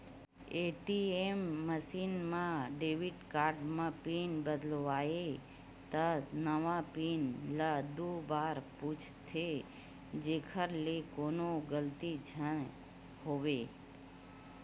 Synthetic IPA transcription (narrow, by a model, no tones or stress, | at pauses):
eʈiemːəʃinmãɖeʋiʈkaɾɖmãpinbəd̪lʋae | t̪ənəʋãpinlad̪ubaɾput͡ʃʰt̪ʰe | d͡ʒekʰəɾlekonoɡəlt̪id͡ʒʱən | ɦoʋe